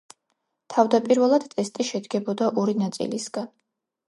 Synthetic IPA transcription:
t̪ʰavd̪apʼiɾvɛlˠad̪̥t̪ʼɛst̪ʼiʃɛd̪ɡɛbɔd̪aʔɔɾinat̪sʼḭlisɡan

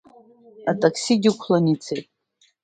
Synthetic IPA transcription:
atʼakʰsiɡʲikʷʰlanit͡sʰejtʼ

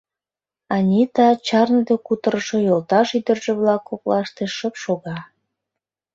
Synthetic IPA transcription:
ɑnʲit̪ɑt͡ɕɑrnəd̪ekut̪əɾəʃojolt̪ɑʃyd̪ərʒĕβlɑkːoklɑʃt̪eʃəpʃoɣɑ

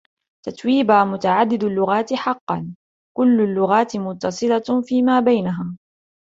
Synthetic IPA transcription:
t̪at̪wiːbaːmʊt̪aʕad̪ːɪd̪alːʊɣaːt̪ɪħɑqːɑ̰n | kʊlːʊlːʊɣaːt̪ɪmʊt̪ːɑsˤɨlafiːmaːbajnaɦaː

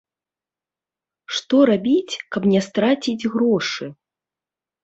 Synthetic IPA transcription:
ʂt̪ɔɾabʲit͡sʲkɐpnʲɛst̪ɾat͡sʲid͡zʲɣɾɔʂɨ

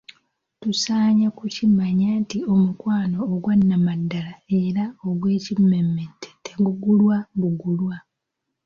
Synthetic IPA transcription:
tusaːɲakucimaɲaːntio̞mukwaːno̞ːɡwanːamadːalae̞ɾaoɡwe̞ːcimːemːetʰːeteɡuɡulwaɡuɡulwa

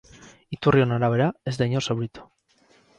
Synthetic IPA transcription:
it̪urio̞naɾaβ̞e̞ɾaezd̪ajɲosowɾit̪o̥

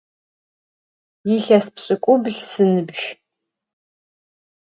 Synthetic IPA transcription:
jiɬɐspɕʼɨkʷʼʊbɮsɨnɨbʒ

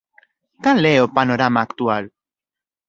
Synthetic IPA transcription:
kanleopanoɾamaːkt̪ual

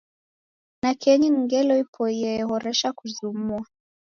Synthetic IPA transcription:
nakʰɛɲiŋ̩ɡɛlɔipʰɔjɛɦɔɾɛʃakuzumua

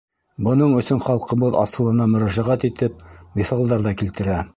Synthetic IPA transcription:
bɤ̆nɤɴɵ̆sɵɴχɑlˠqɤ̆βɤðɑ̰sɤ̆lˠɤ̆nɑmɵ̆ɾæʒæʁæt̪it̪ɘp̚biθɑlˠd̪ɑɾðɑkilt̪ɘ̆ɾæ

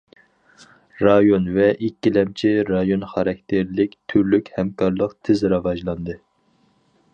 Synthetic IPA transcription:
ɾɑjonvɛʔikʲːilɛmt͡ʃʰiɾɑjonχɑɾɑk̚ʲt̪ʰɪɾlɪkʲt̪ʰyɾlykʲhɛmkʰɑɾlˠəqt̪ʰɪzɾɑvɑʒlˠɑnd̪ɨ

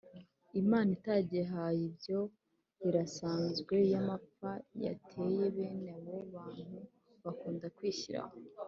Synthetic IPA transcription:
imaːnitaːɟeɦajibjo̞ | βiɾasaːnzɡwe̞jamapaja̰tʰe̞je̞βe̞ːnaβo̞βaːn̥hu | βakuːndakwiːçiɾa̰ho

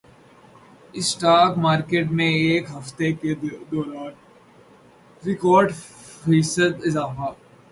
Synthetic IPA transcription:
ɪsʈaːkmaːɾkeːʈmẽeːkɦɐft̪eked̪ɔːɾaːn | ɾɪkɔːɾʈ | fiːsəd̪ɪzaːfaː

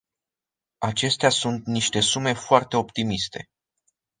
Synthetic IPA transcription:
at͡ʃe̞st̪easunt̪niʃt̪e̞sume̞foart̪e̞o̞pt̪imist̪e̞̰

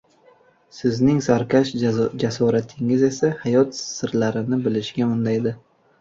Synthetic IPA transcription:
sɪznɪŋsaɾkʲʰaʃd͡ʒasɒɾat̪ʰɪŋɪze̞sahajɒt̪sɪɾlaɾɪnɪbɪlɪʃɡʲaʊnd̪ajd̪ɪ

